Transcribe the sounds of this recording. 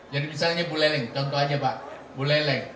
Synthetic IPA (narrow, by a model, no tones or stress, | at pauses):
d͡ʒadimisalɲabulɛlɛŋt̪ɔnt̪ɔad͡ʒaba | bulɛlɛŋ